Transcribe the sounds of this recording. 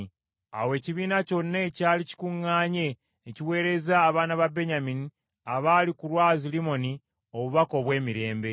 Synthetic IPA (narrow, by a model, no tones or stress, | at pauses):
a̰we̞ːciβiːnaco̞nːecaːlici̥kuŋːaːɲe̞ | eciwe̞ːɾe̞zaːβaːnaβabe̞ɲamini | aβaːlikulwaːzilimo̞ni | o̞βuβako̞βwe̞ːmiɾe̞ːmbe̞